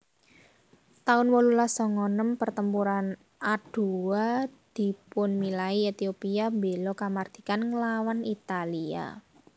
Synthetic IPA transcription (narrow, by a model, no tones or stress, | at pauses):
t̪aʊnwɔlulasɔŋɔnəmpərt̪əmpuɾan | ad̥uwad̪̥i̤pʊnmilaiet̪iopiabe̤lɔkamard̪̥i̥̤kanŋəlawanit̪alia̰